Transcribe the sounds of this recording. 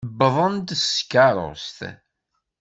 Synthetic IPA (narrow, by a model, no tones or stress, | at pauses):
bəðˤənd̪skːaɾˤo̰st̪